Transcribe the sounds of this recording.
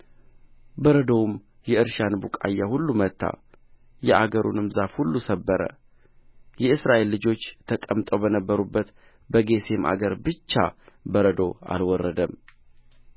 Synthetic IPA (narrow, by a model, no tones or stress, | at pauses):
bəɾəd̪owm | jɛɨɾʃanbukʼajːahulːumət̪ʰːa̰ | jɛʔaɡəɾṵnɨmzafhulːusəbːəɾə̰ | jɛɨsɾaʔe̞lːɨd͡ʒo̞t͡ʃːt̪ʰəkʼəmt̪ʼowbənəbːəɾubːət̪ | bəɡe̞se̞mʔa̰ɡəɾbɨt͡ʃːabəɾəd̪o̞a̰lwɔrːəd̪əm